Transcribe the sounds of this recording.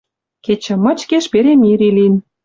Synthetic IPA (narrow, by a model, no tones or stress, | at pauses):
ket͡ɕə̆mɤ̆t͡ɕkeʃpeɾemiɾilin